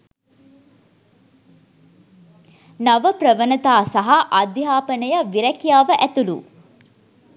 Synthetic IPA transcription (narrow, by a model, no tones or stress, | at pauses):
naʋəprəʋənət̪aːsaɦaʔad̪jaːpənəjəʋiɾɛkijaːʋəʔæt̪ulṵ